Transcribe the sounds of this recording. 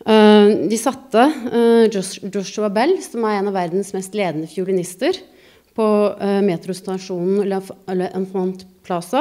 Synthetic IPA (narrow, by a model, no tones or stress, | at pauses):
d̪ɪsɑt̪ːə | d͡ʒɔʂʉɑbɛlːsɔmæɾeːnɑʋæɾd̪nsmɛst̪leːd̪nəfjʊɭɪnɪst̪əɾ | pʰɔmeːt̪ɾʊst̪ɑʂuːnn̩lːəɛlːəʔɛnfɑnt̪pʰlɑsə